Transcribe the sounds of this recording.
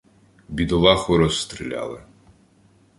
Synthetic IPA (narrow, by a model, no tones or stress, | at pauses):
bʲid̪ɔlˠɑxʊɾɔst̪ɾilʲa̰lˠɪ